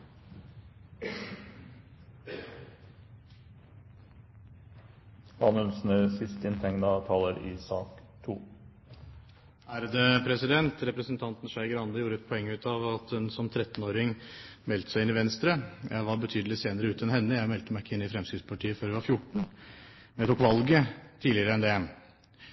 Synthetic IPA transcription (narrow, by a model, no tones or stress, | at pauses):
ɑnʉnsnəsɪst̪ɪnt̪ʰɛŋnɑt̪ʰɑːləɾisɑːkt̪ʰuː | æɾd̪ɛpʰɾɛsɪd̪ɛnt̪ɾɛpɾəsənt̪ʰɑnt̪n̩ʂæɪɡəɾɑnd̪əjuːɾəɛt̪̚pʰɔɛŋːʉːt̪ɑʋɑt̪hʉnsɔmt̪ʰɾɛt̪ːnoːɾɪŋmɛlt̪əsæɪɪnɪʋɛnst̪ɾəjæ̰ɪʋɑɾbət̪ʰyːd̪lɪseːnəɾəʉːt̪ɛnɦɛnːəjæɪmɛlt̪əmæɪɪkːəɪnːɪfɾɛmsyːspʰɑʈʰiːəføːɾɛʋɑɾfjʊʈɳ̩ | mɛt̪uːkʋɑlɡət̪ʰiːlɪəɾəɛnd̪ɛ